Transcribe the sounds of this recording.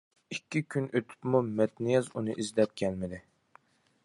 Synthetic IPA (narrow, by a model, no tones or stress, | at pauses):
ikʲːikʲʰynʔøt̪ʰy̥pmumɛt̪nijɛzunɨʔizlɛp̚kʲʰɛlmɪd̪ɪ